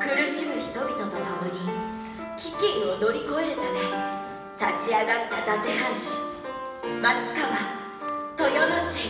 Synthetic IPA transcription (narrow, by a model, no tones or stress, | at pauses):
kɯ̟ɾɯ̟ɕimɯ̟çi̥t̪o̞bʲit̪o̞t̪ot̪o̞mo̞ɲ̟i | kʲikʲẽɰ̃ono̞ɾʲiko̞e̞ɾɯ̟t̪ame | t̪at͡ɕiaɡat̪ːad̪at̪e̞hãɰ̃ɕi̥ | mat͡sɨ̥kaβa | t̪o̞jonoɕi